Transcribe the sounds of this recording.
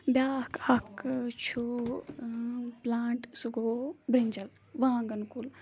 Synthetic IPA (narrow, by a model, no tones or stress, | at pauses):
bjaːkɐkt͡ʃʰu | plaːɳʈsuɡoːbɾiɲd͡ʒɐl | ʋãːŋɡənkul